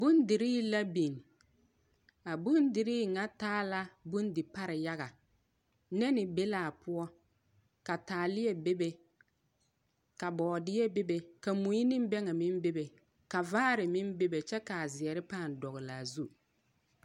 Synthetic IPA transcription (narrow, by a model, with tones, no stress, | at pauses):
bu˦ndɪ˨ɾiː˦la˦bi˨n˨ | a˨bu˦ndɪ˨ɾiː˦ŋa˦taː˦la˦bu˦n˦dɪ˨pa˦ɾɪ˨ja˦ɣa˨ | nɛ˦nɪ˨be˦laː˨pʊ˦ɔ˦ | ka˨taː˨lɪ˦jɛ˨be˦be˨ | ka˨bɔː˨dɪ˦jɛ˦be˦be˨ka˨mu˨ji˦nɪ˦m˦bɛ˦ŋa˨mɪ˦m˦be˦be˨ | ka˨vaː˦ɾɪ˨mɪ˦nbe˦be˨t͡ʃɛ˦ka˨zɪ˨ɛ˨ɾɪ˦paː˦˨n˨dɔ˨ɣɪ˨la˨zu˦